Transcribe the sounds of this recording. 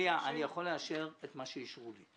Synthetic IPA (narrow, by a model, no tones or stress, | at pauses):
aʔanijaχo̞lːeaʃe̞ʁet̪maʃeiʃʁuli